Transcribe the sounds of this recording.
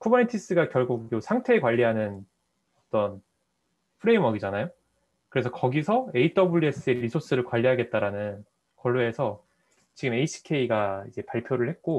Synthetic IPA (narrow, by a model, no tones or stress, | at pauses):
kʰobʌnetʰis͈ɯɡakjʌɭɡuk̚josʰaŋtʰe̞ːkwaʎːiɦanɯn | ʌt͈ʌn | pʰɯɾe̞imwʌɡid͡ʑanajo | kɯɾe̞sʰʌkʌɡisʰʌe̞it͈ʌbuɭːie̞s͈ɯe̞ɾisʰos͈ɯɾɯɭkwaʎːiɦaɡe̞t̚t͈aɾanɯn | kwʌɭːoesʰʌ | t͡ɕiɡɯme̞iɕʰi̥kʰe̞iɡaid͡ʑe̞paɭpʰjoɾɯɭhet̚k͈o